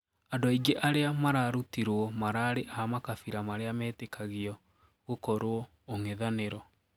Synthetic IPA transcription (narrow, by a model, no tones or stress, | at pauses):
adoiɡeʔaɾeamaɾaɾutiɾwɔmaɾaːɾeʔaamakafiɾamaɾeamɛːtekʰaɣiɔ | ɣokɔɾoɔ | oŋeðaneɾɔ